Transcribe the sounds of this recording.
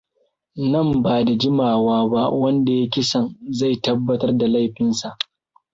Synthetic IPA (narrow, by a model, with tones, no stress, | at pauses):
nɐ˦˨mbaː˨da˨d͡ʒɪ˦maː˨waː˦ba˦wɐ˦nda˨ja˦kʲɪ˦sɐ˨nza˦˨jtɐ˦bːɐ˦tɐ˦rda˨la˦˨jɸɪ˦nsa˨ʔ